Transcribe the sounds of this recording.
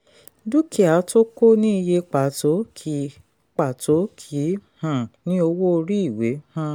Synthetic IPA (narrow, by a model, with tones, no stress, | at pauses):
du˦ki˨a˨˦to˦ko˦nĩ˦i˧je˧k͡pa˨to˨˦kʰi˨˦ | k͡pa˨to˨˦kʰi˨˦hã˨nĩ˦o˧wo˦˧ɾi˦i˦˨we˨˦hã˦˧